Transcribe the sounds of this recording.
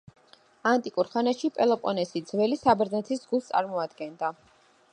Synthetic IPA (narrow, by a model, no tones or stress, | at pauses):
ant̪ʼikʼuɾχanaʃipʼɛlˠɔpʼɔnɛsid̪zvɛlisabɾd̪nɛt̪ʰisɡust̪sʼa̰ɾmɔad̪ɡɛnd̪a